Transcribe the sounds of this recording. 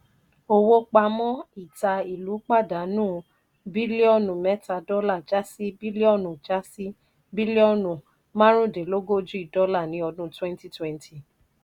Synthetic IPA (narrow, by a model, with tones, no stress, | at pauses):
o˧wo˧k͡pa˧mɔ̃˦i˦˨ta˧i˨lu˨˦k͡pa˦˨da˨˦nũː˦˨ | bi˦le˦ɔ˦˨nũ˨mɛ˨˦ta˧dɔ˦la˦˨d͡ʒa˦si˦bi˦le˦ɔ˦˨nũ˨d͡ʒa˦si˦ | bi˦le˦ɔ˦˨nũ˨ | mã˦ɾ̃ũ˦˨de˨lo˦ɡo˦d͡ʒũ˦i˦˨dɔ˦la˦˨nĩ˨˦ɔ˧dũ˦twɛ̃˦n˦ti˦twɛ̃˦ntʰi˨